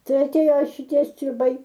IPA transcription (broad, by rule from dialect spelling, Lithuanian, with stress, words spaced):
ˈtɐɪ ɐtʲˈeːjoː ʃʲɪˈtʲiɛ sʲtʲrʲɪˈbɐɪ